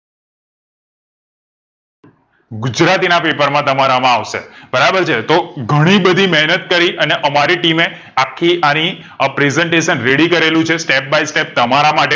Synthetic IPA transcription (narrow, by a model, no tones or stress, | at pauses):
ɡud͡ʒɾat̪inapepəɾmãt̪əmaɾamãaʋʃḛbəɾabəɾt͡ʃʰet̪oɡʱəɽ̃ibəd̪ʱimɛɦnət̪̚kəɾiʔəneʔəmaɾiʈime | akʰːiani | pɾezɛɳʈeʃənɾeɽikəɾelũt͡ʃʰesʈep̚baisʈep̚t̪əmaɾamaʈe